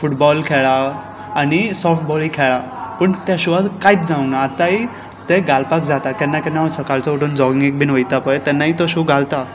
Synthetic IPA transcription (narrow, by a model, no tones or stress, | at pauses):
fuʈbɔlkʰeɭa | anisɔːfʰʈ̚bɔlikʰeɭa | pəɳt̪jaʃuʋad̪kait̪̚d͡zãũnaːt̪ai | t̪eɡalpakd͡zat̪akenːakenaosʰəkalt͡sɔoʈond͡zɔɡĩŋɡek̚bʱinʋəit̪apəet̪ɛnːait̪ɔɕuɡalt̪a